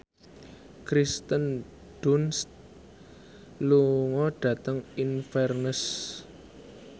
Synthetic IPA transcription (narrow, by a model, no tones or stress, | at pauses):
kɾist̪ən | ɖ̥unst̪ | luŋɔɖ̥ä̤t̪əŋinfɛrnəs